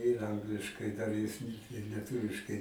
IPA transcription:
tɐɪ ɪr ˈɐŋɡlʲɪʃkɐɪ ˈdɐr jɪs ɪr lʲiɛˈtʊʋʲɪʃkɐɪ

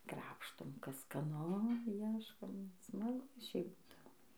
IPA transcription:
ˈkrɑːpʃtoːm ˈkɐs skɐˈnʊ ˈiɛʃkoːm smɐˈɡʊ ˈʃʲɛɪp ˈbuːdɐʋoː

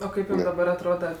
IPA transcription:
oː ˈkɐɪp dɐˈbɐr ɐtˈroːdɐ

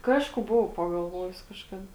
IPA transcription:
ˈkɑːʃkʊ ˈbʊʋɐʊ pɐɡɐlˠˈʋoːjʊs kɐʃˈkɑːdɐ

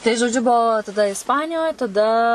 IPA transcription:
tɐɪ ʒoːˈd͡ʒʲʊ bʊˈʋɐʊ tɐˈdɐ ɪsˈpɑːnʲɪjoːj tɐˈdɐ

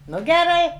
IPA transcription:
ˈnʊ ɡʲɛˈrɐɪ

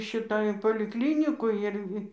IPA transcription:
ˈʃʲɪtɐ ɪr poːlʲɪkˈlʲɪnʲɪkoːj ˈɪr

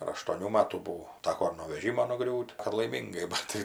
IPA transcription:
ɐr ɐʃtuɔˈnʲuː ˈmɑːtuː bʊˈʋɐʊ ˈtɑːkoː ɪr noː ʋʲɛˈʒʲiːmoː nʊˈɡrʲuːtʲ ɐr lˠɐɪˈmʲiːŋɡɐɪ ˈbɐt tɐɪ

